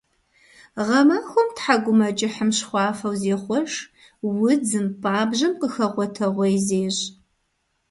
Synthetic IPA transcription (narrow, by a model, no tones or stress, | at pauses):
ʁɐmaxʷɔmtħaɡʷʊmɐt͡ʃʼɪħəmɕχʷɑːfɐwzeːχʷɔʃ | wʊd͡zɨmpʼaːbʑɐmqəxɐʁʷɔtʰɐʁʷejzeːʑ